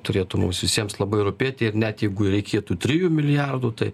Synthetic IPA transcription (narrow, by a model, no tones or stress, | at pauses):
t̪ʊɾʲeːt̪ʊmʊːsʋʲɪsʲiɛmslˠɐbɐɪɾʊpʲeːt̪ʲɪɪɾnʲɛt̪jɛɪɡʊɾʲɛɪkʲeːt̪uːt̪ʲɾʲɪjuːmʲɪlʲɪjɑrd̪uːt̪ɐɪ